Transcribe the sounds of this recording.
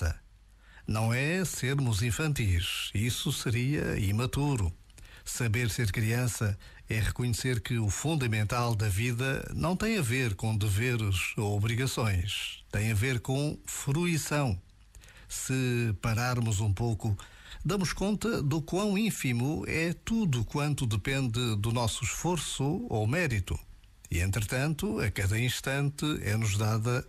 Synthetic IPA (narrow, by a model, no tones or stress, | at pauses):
ɐ̰ | nɐ̃w̃ɛseɾmuzĩfɐ̃nt̪iʃisusɨɾiɐ̰ḭmɐt̪uɾu | sɐβeɾseɾkɾiɐ̃sɐ | ɛʁɨkuɲɨseɾkɨufũnd̪ɐmẽnt̪alˠd̪ɐviðɐ̰nɐ̃w̃t̪ɐ̃j̃ɐveɾkõd̪ɨveɾzoɔβɾiɣɐsõj̃ʃt̪ɐ̃j̃ɐveɾkõfɾuisɐ̃w̃ | sɨpɐɾaɾmuzũmpoku | d̪ɐmuʃkõnt̪ɐðukwɐ̃w̃ĩfimuɛt̪uðukwɐ̃nt̪uðɨpẽnd̪ɨd̪unɔsuʃfoɾsuomɛɾit̪ṵ | ḭḛ̃nt̪ɾɨt̪ɐ̃nt̪uɐkɐðɐĩʃt̪ɐ̃nt̪ɨɛ̰nuʒðaðɐ